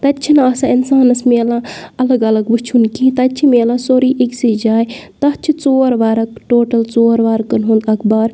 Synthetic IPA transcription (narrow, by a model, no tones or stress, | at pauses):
t̪ɐt͡ʃʰinaːsaːɪnsaːnɐsmeːlãːɐlɐɡɐlɐɡbɨt͡ʃʰunkĩːt̪ɐt͡ʃʰimeːlãːsoːɾiːʔiksid͡ʒaːjt̪ɐt͡ʃʰit͡soːɾʋaːɾɐkʈoːʈɐlt͡soːɾʋaːɾkɐnɦũnd̪ɐkʰbaːɾ